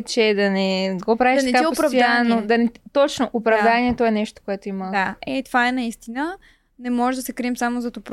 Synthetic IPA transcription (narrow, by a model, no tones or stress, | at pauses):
t͡ʃɛd̪ɐnɛɡɔpɾaviʃnɛkaaiʊpɾɐvdj̪anod̪ɐnɛt̪ɔt͡ʃnoʔopɾɐvd̪aniɛt̪oɛnɛʃt̪o̥koɛt̪oimɐd̪aɛt̪ovaɛnɐist̪inə | nɛmɔʒɛʒd̪ɐsɛkɾiɛmsamozɐt̪op